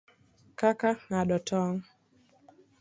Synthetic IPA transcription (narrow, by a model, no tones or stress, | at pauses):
kakaŋaɗɔtʰɔŋ